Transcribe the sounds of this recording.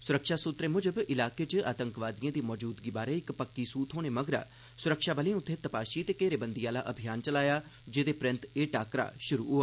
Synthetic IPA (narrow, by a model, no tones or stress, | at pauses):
sʊɾəkʃaːsʊt̪ɾeːmʊd͡ʒəbɪlaːket͡ʃəa̰ːt̪ə̃ŋkʋaːd̪ijãːd̪iːmɔːd͡ʒuːd̪ɡiːbaːɾeːɪkpəkːisuːt̪ɦoːɽ̃eːməɡɾa̰ː | sʊɾəkʃaːbəlẽʊt̪ʰːeːt̪əpaːʃiːt̪eːkeːɾeːbənd̪iaːla̰ʔəbʱijaːnt͡ʃəlaːjaːd͡ʒeːd̪eːpɾɪ̃nt̪eːʈaːkɾa̰ːʃʊɾṵːɦʊaː